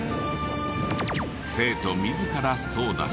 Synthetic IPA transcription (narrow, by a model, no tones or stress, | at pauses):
se̞ːt̪o̞mʲizɨkaɾaso̞ːd̪a̰